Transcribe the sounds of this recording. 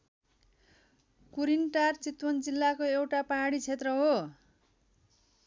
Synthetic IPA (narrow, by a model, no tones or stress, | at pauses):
kuɾinʈart͡sit̪wʌnd͡zilːakoewʈapaɦaɽit͡sʰet̪rʌɦo